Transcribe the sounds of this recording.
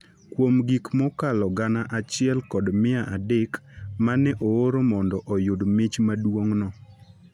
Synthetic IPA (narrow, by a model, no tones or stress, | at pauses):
kwomɡikmɔkalɔɡanaʔat͡ʃɪɛlkɔdmɪaʔadekmanɛʔooɾomɔndɔʔɔjodmet͡ʃmadwoŋnɔ